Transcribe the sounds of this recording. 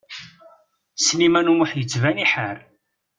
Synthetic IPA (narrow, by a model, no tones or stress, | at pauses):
snimænumʊħjət͡sːvæniħəɾ